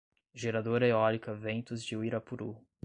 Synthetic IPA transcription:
ʒeɾad̪oɾɐeɔlikɐvẽnt̪ʊzd͡ʒɪuiɾɐpuɾṵ

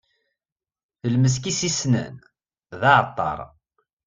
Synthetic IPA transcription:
θəlməs̬kisisnə̰n | ðɑʕt̪ˤːɑ̰ɾˤ

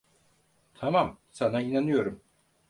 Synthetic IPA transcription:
t̪ʰamamsanainanɯjo̞ɾum

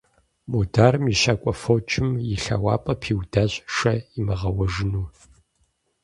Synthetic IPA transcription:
modaːrɨmiʃaːkʷʼɔfoːt͡ʃʼɪmjɪɬɐ̰waːpʼɐpʰiːwdaɕʼʂɐimɐʁɐwɐʒɪnuː

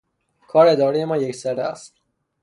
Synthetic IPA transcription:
kʰɒːɾed̪ɒːɾijemɒːnjecʰsæɾæ̰st̪

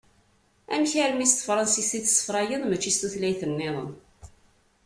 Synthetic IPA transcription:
æmçaɾmist̪fɾˤɑnsist̪iθsːə̥fɾˤɑjənmət͡ʃːist̪uθlæjθənːɪðˤə̰n

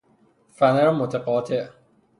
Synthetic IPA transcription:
fæneɾmot̪ʰeqɒːt̪ʰeʔ

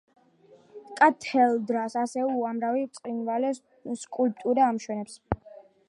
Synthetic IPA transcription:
kʼat̪ʰɛlˠd̪ɾasasɛuamɾavit̪sʼqʼinvalɛ | skʼulp̚ʼt̪ʼuɾaːmʃwɛnɛps

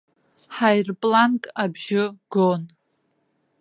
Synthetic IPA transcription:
ħajrpʼlankʼabʒɪɡon

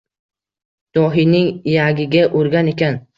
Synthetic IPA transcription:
d̪̥ɒɦinɪŋjaɡʲɪɡʲaʔoɾɡʲane̞kʲʰan

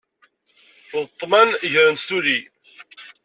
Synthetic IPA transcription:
ðət̪ˤːmænʝɾənst̪uli

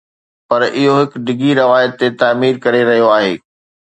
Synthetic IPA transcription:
pɐɾɪɦoɦɪkɖɪɡʱiɾɐʋaːjət̪ːet̪aːmiːɾkɐɾeɾɐɦijoaːɦeː

